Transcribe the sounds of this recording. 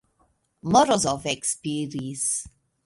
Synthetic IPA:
mɔɹɔsɔvɛkspiɹiə̃ns

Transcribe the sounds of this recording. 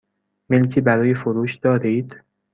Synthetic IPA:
melcʰiːbæɾɒːjefoɾuːʃd̪̥ɒːɾiːd̪̥

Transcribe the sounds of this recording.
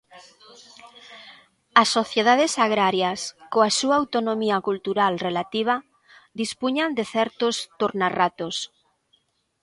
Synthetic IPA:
asːoθjeðað̞esaɣ̞ɾaɾjaskoasuaawt̪onomiakult̪uɾalrelat̪iβ̞a | d̪ispuɲand̪eθɛɾt̪ʊst̪uɾnarat̪os

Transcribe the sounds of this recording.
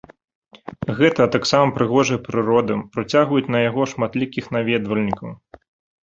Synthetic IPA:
ɣɛt̪ɐt̪aksamɐpɾɨɣɔʐɐjɐpɾɨɾɔd̪ɨpɾat͡sʲaɣvɐjut͡sʲnɐjaɣɔʂmat̪lʲikʲixnavʲɛd̪vɐlʲnʲikɐw

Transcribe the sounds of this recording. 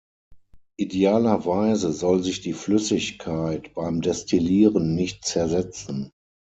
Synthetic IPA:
ʔideaːlɐvaɪzəzɔlzɪçd̥iːflʏsɪçkʰaɪtb̥aɪmdɛstʰiliːʁənːɪçt̚t͡sɛɐzɛt͡sn̩

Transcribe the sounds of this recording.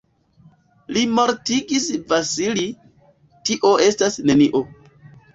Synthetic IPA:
limo̞ɾtiɡisvasili | tiʔo̞e̞stasne̞niʔo̞

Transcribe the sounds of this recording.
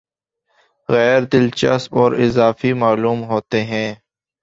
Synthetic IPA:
ɣɛːɾd̪ɪlt͡ʃɐ̰sɔːɾɪzaːfimaːluːmɦoːt̪eɦɛ̃ː

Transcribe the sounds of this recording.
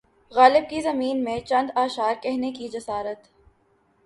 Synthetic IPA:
ɣaːlɪb̚kizɐmiːnmẽt͡ʃɐ̃nd̪aːʃaːɾkɛɦnekid͡ʒɐsaːɾət̪

